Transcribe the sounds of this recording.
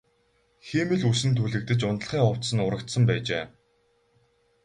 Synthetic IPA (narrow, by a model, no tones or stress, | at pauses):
ximɘ̆ɮusɘ̆nt̪ʰuɮɘ̆k̚t̪ɘ̆t͡ɕʊnt̪̆ɮ̆χiːŋɔw̥t̪sə̆nʊɾə̆kt̪sə̆mpæːt͡ɕeː